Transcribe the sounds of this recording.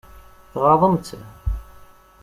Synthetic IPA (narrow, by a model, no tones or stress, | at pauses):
θʁɑðˤəmt͡sː